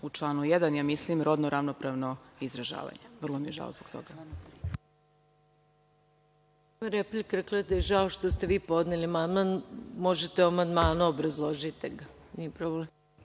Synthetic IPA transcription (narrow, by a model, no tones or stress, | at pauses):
ut͡ʃlˠaːnujed̪anjamislimɾod̪noɾʔaʋnopɾaʋnoizɾaʒa̰ːʋa̰ɲeʋr̩lˠomijeʒa̰ozboɡk̚t̪o̰ɡa | maɾeplikɾeklˠad̪ajeʒaoʃt̪ost̪e̞ʋiːpo̞d̪neliamand̪manmo̞ʒet̪euamand̪maːnuobɾazlˠoʒit̪iɡa | niepɾoblem